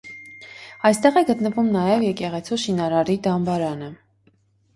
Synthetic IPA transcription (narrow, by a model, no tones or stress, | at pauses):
ɑjst̪ɛʁɛɡət̪nəvumnɑjɛvjɛkɛʁɛt͡sʰuʃinɑɾɑɾid̪ɑmbɑɾɑnə